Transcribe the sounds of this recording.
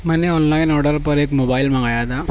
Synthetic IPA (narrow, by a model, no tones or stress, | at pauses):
mɐneɔːnlaɪnɔɽɐɾpɐɾekmobaːɪlmɐɣajaːd̪aː